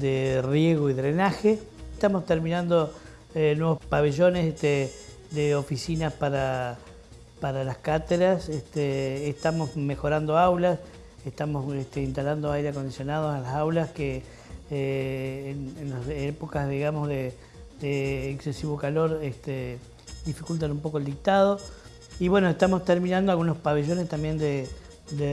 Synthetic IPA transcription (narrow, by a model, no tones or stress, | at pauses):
d̪erjeɣoiðɾenaxeet̪amo̞st̪eɾmĩnãnd̪o | enwe̞βo̞spaβeʒo̞neset̪e | d̪eo̞fisinaspaɾa | paɾalaskat̪eɾaseht̪eːht̪amo̞smexo̞ɾand̪o̞awlas | eht̪amoseht̪eint̪aland̪oajɾeako̞nd̪isjo̞nað̞osalasawlaske | nenlasepo̞kazðiɣamo̞zðe | d̪eːkse̞siβo̞kalo̞ɾest̪e | d̪ifikult̪anumpo̞kold̪ik̚t̪aðo̞ | iβwe̞noeht̪amo̞st̪eɾmĩnãnd̪oalɣunospaβe̞ʒo̞nest̪ambje̞nd̪e | d̪e